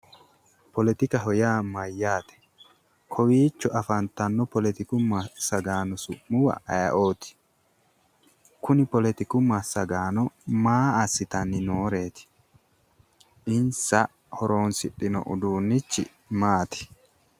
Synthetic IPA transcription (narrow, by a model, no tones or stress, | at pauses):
pɔlɛt̪ɪkɐɦɔjaːmɐjːaːt̪ɛ̥ | kʰɔwiːt͡ʃːɔʔɐfɐnt̪ɐnːɔpɔlɛt̪ɪkʊmːɐsɐɡaːnɔsʊʔːʊwɐ̰ʔɐjɐʔo̞ːt̪ɪ̥ | kʊnɪpɔlɛt̪ɪkʊmɐsɐɡaːnɔmaːɐsːɪt̪ɐnːɪnoːɾe̞ːt̪ɪ̥ | ʔɪnsɐ | hɔɾo̞ːnsɪɗɪnɔ̰ʔʊd̪uːnːɪt͡ʃːɪ̰ | maːt̪ɪ̥